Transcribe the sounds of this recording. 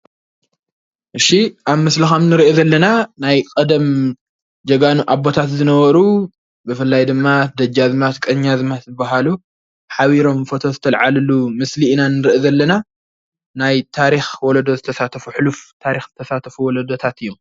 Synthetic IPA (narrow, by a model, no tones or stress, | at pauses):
ʔɨʃːiʔaβmɐslixɐmnɨɾʔezɐlːɐnanajkʼɐd̪ɐm | d͡ʒɐɡanuʔabo̞t̪ʰat̪zɨnɐβɐɾu | bɨfɨlːajd̪ɨmːad̪ɐd͡ʒazmat̪kʼɐɲːazmat̪zɨbːaɦalu | ħaβiɾo̞mfot̪ʰo̞zɨt̪ʰɐlʕalɨlumɨslinanɨɾʔezɐlːɐna | najt̪ʰaɾixwɔlɐd̪o̞zɨt̪ʰɐsat̪ʰɐfuħɨluft̪ʰaɾixzɨt̪ʰɐsat̪ʰɐfuwɔlɐd̪o̞t̪ʰat̪ɨjːom